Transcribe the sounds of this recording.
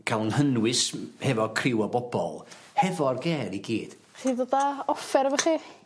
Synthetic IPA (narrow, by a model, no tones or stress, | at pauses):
kʰalˠnhənwɪshɛvɔkʰrɪwɔbɔbɔ̰lˠ | hɛvɔrɡɛːɾiɡiːd̥ | χiðɔdaɔfɛɾvəχi